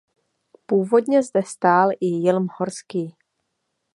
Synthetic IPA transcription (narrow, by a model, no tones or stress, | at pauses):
puːvo̞dɲɛzd̪ɛst̪aːlʔɪjɪlmhoɾskiː